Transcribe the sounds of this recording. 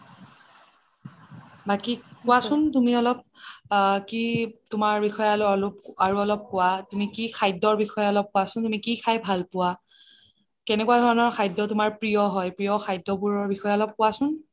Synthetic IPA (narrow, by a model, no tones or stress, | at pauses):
bakikʊwasʊntumiɔlɔp̚ | kitʊmaɹbixɔjalɔlɔpaɹuɔlɔp̚kʊwatumikikʰajdɔɹbixɔjaɔlɔp̚kʊwasʊntumikikʰajbʱalpʊwa | kɛnɛkwadʱɔɹɔnɔɹkʰajdɔtʊmaɹpɹijɔɦɔjpɹijɔxʰajdːɔbuɹɔɹbixɔjaɔlɔp̚kʊwasʊn